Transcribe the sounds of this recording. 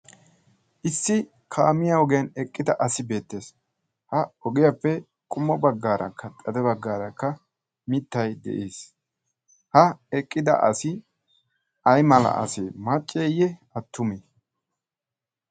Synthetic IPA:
ʔɪsːɪ | kʰaːmɪjɐɔɡɪjɐnɛkʼːɪd̪ɐʔɐsɪbe̞ːt̪ːe̞ːs | hɐɔɡɪjɐpːɛ | kʼʊmːɔbɐɡːaːɾɐ̰kʰːɐt̪ʼɐd̪ɛbɐɡːaːɾɐkːɐ | mɪt̪ːɐjd̪ɛ̰ʔeːs | hɐɛkʼːɪd̪ɐ̰ʔɐ̰sɪ | ʔɐjmɐlɐ̰ʔɐ̰semɐt͡ʃʼːeːjɛɐt̪ːʊme

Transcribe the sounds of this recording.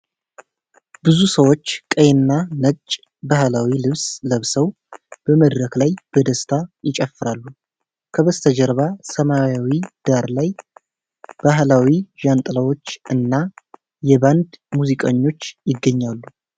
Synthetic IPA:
bɨzusəwo̞t͡ʃːkʼəjnːanət͡ʃʼː | bahlawilɨβsləβsəw | b̥əməd̪ɾəklajb̥əd̪əst̪ʰajɪt͡ʃʼəfːɨɾalːu | kʰəβəst̪ʰəd͡ʒəɾβasəmajawid̪̥aɾlaj | b̥aɦlawiʒant̪ʼɨlawo̞t͡ʃːɨnːa | jɛband̪muzikʼəɲːo̞t͡ʃːjɪɡːəɲːalːu

